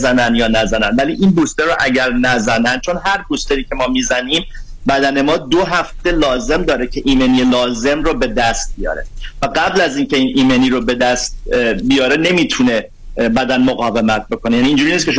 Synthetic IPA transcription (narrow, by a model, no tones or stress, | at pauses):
zænænd̪jɒːnæzænænvæliʔinbuːst̪eɾoʔæɟæɾnæzænænd̪̚t͡ʃʰo̞nɦæɾbuːst̪eɾiːcʰe̞mɒːmiːzæniːm | bæd̪æne̞mɒːd̪oɦæft̪e̞lɒːze̞md̪ɒːɾecʰe̞ʔiːmenielɒːze̞mrobe̞d̪æst̪̚bijɒ̰ːɾevæɡæblæziːncʰe̞iːnʔiːmeniːɾobe̞d̪æst̪̚bijɒːɾene̞miːt̪ʰune̞ | bæd̪ænmoɣɒːve̞mæt̪̚ʰbo̞kʰo̞nejæniːnd͡ʒuɾiːniskʲceʃ